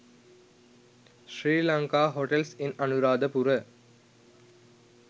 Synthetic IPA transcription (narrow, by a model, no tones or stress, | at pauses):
ʃɾiːlɐŋkaːɦoʈelsinɐnuɾaːd̪əpuɾə